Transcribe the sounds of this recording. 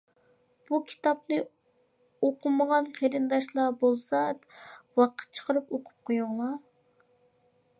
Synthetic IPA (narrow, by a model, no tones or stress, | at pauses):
b̥ukʲʰi̥t̪ɑp̚nɨ | oqʊməʁɑnqʰeɾɨnd̪ɑʃlˠɑbolˠsɑ | wɑqʰə̥t̪̚t͡ʃʰə̥qʰəɾɨpoqʰʊ̥p̚qʰojʊŋlˠɑ